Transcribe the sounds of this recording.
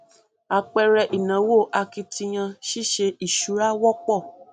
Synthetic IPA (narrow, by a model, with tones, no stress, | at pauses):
a˧k͡pɛ˧ɾɛ˧ʔi˨nã˨wo˦˨ʔa˧ki˧ti˧j̃ã˧ʃi˦ʃe˧i˨ʃu˨˦ɾa˦wɔ˦k͡pɔ˦˨